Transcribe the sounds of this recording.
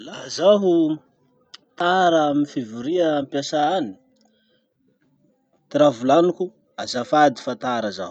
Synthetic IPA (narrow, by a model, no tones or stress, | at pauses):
laɦəzaɦu | t̪aɾaaminfivuɾiaampjasaani̥ | t̪iɾavulanukʲu | azafad̪i̥fat̪aɾəza̰hu